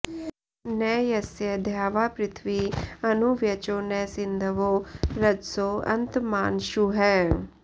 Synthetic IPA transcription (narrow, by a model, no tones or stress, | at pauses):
nɛːjɐsjəd̪ʱjaːʋaːpɾɪt̪ʰʋiɐnuʋjɐt͡ʃoːnɛːsɪnd̪ʱəʋoɾɐd͡ʒ̪soːɐ̰nt̪maːnʃuɦɛː